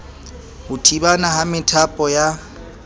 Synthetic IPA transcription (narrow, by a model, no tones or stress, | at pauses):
hʊtʰibanahamɪtʰapʼɔja